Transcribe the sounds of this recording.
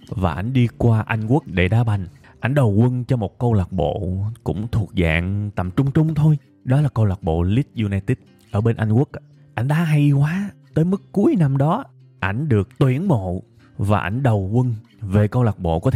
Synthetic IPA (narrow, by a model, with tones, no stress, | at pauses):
vaː˨˩ʔa˧˩jŋ̟ɗi˧kwaː˧ʔa˧jŋ̟ku˦˥ək̚ɗe˧˩ɗaː˨˦ɓa˨˩jŋ̟ | ʔa˧˩jŋ̟ɗə˨˩wkə˧nt͡ɕɔ˧mo˨˩t̚kə˧wlaː˨˩k̚ɓo̰˧˨kʊ̰˧˥ŋ͡mt̪ʰu˨˩ək̚za̰ː˧˨ŋt̪ə̰˨˩mt͡ɕʊ˧ŋ͡mt͡ɕʊ˧ŋ͡mt̪ʰo˧j | ɗɔ˨˦laː˨˩kə˧wlaː˨˩k̚ɓo̰˧˨li˦˥t̚zu˧naː˧jt̪i˦˥t̚ | ʔəː˧˩ɓe˧nʔa˧jŋ̟ku˦˥ək̚ | ʔa˧˩jŋ̟ɗaː˨˦˥ɦa˧jkwaː˨˦t̪əː˨˦jmɨ˦˥kːu˨˦əjna˧mɗɔ˨˦ | ʔa˧˩jŋ̟ɗɨ˨˩ək̚t̪wḭ˧˩ənmo̰˧˨ | vaː˨˩ʔa˧˩jŋ̟ɗə˨˩wkə˧n | ve˨˩kə˧wlaː˨˩k̚ɓo̰˧˨kɔ˨˦t̪ʰ